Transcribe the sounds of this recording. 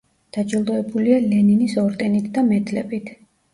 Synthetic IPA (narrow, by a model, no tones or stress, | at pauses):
d̪̥ad͡ʒʼilˠd̪ɔɛbulialɛninisɔɾt̪ʼɛnit̪ʰd̪amɛd̪lɛ̰bit̪ʰ